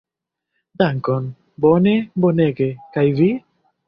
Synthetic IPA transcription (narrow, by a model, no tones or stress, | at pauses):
d̪aŋkon | boneboneɡekajvi